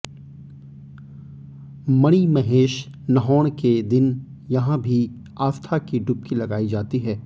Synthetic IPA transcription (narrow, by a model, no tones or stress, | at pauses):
mɐɽ̃imɐɦeːʃ | nɐɦɔːɽ̃ked̪ɪn | jɐɦãbʱi | aːst̪ʰakiɖʊp̚kilɐɡaːid͡ʒaːt̪iɦɛː